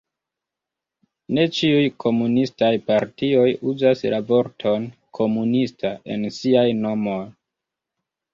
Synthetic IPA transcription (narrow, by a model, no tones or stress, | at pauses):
ne̞t͡ʃiujkʰo̞munistajpaɾtio̞juzaslavo̞ɾtʰo̞n | kʰo̞munistʰaʔe̞̰nsiajno̞mo̞j